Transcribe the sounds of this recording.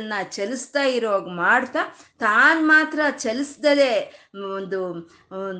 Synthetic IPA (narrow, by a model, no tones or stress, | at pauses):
nːɐt͡ʃelist̪aːjiɾoːɡmaːɽt̪aːt̪aːnmaːt̪ɾɐt͡ʃelisd̪ɐle̞ond̪u